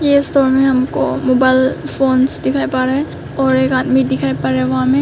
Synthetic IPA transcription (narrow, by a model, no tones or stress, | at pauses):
jestoɾmeɦɐmko̰mobajlpʰonsdɪkʰajpaɾɛ | ɔːɾekad̪midɪkʰajpɐɾeʋɦãme